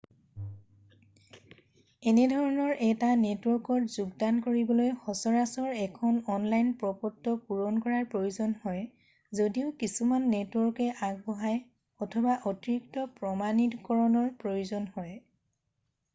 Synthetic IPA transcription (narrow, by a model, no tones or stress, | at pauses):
ɛnɛdʱɔɹɔnɔɹʔɛtanɛtwɔɹkɔtzuɡdankoɹibɔlojxɔsɔɹasɔɹɛkʰɔnɔnlajnpɹɔpɔtːɔpuɹɔnkɔɹaɹpɹojuzɔnhɔj | zodiʊkisumanːetwɔɹkɛʔaɡ̚bɔɦaj | ɔtʰɔbaʔotiɹiktɔpɹɔmanitɔkɔɹɔnɔɹpɹojuzɔnhɔj